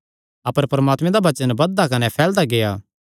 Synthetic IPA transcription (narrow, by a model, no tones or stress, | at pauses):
ɐpəɾpɐɾɐmaːt̪mẽd̪abɐt͡ʃənbɐd̪ːakɐnɛpʰɛːld̪aɡejaː